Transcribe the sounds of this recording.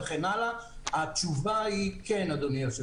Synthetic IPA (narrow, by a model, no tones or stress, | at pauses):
eχenalaat͡ʃuvaikenad̪omiaʃe